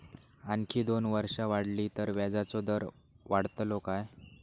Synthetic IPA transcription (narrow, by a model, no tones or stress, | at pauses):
ankʰiːd̪onʋəɾʂaʋaɽliːt̪əɾʋad͡zat͡sɔd̪əɾ | ʋaɽt̪lokaj